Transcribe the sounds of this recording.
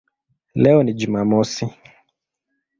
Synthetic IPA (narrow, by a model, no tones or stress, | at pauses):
lɛɔnid͡ʒumamɔsi